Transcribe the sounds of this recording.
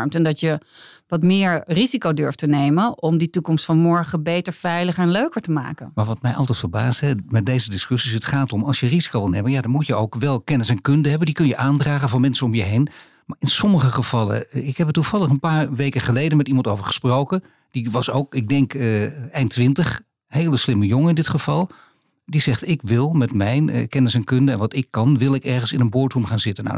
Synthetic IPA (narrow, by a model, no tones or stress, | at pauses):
ɹmtɛndɑtjəʋɑtmɪːɹrizikowdøɹftənejmənɔmditukɔmstfɑnmɔɹχəbejtəɹv̥ɛjləχəɹɛnløɥkəɹtəma̰ːkə̰nmaːɹʋɑtmɛjʔɑ̰lˠtɛjtfəɹbaːstɦɛmɛt̚dejzədɪskʏsisɦətχaːtɔmɑlˠʃjərizi̥kowʋɪlˠnejmənjaːdɑnmutjəowkʋɛlˠkɛnɪsɛnkɵndəɦɛbəndikɵnjəʔaːndraːχənvɑnmɛnsənɔmjəɦejn | maːɪnsɔməχəχəv̥ɑlˠə̰ɪkɦɛpətːuv̥ɑlˠəχənpaːɹʋejkəχəlejdənmɛtimɑntowvəɹχə̥sprowkən | d̥iʋɑsowkɪɡ̚dɛŋkɛjntʋɪntəχ | ɦejləslɪməjoŋəɪndɪtχəv̥ɑlˠ | dizɛχtɪkʋɪlˠmɛtmɛjnkɛnɪsɛnkɵndəɛnʋɑtɪkːɑnʋɪlˠɪkɛɹχənsɪnənbʊɹtɦumχaːnzɪtəna̰